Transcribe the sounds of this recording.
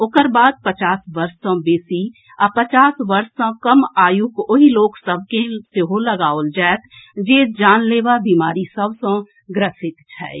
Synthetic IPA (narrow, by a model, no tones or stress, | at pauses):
oːkəɾbaːd̪̚pət͡ʃaːsʋəɾssə̃beːsi | apət͡ʃaːsʋəɾsə̃kəmaːjukoɦiloːksəb̚keseɦoləɡaːold͡ʒɛːt̪d͡ʒeːd͡ʒaːnleːʋabiːmaːɾisəbsõ | ɡɾəsɪt̪t͡ʃʰɛ̰ː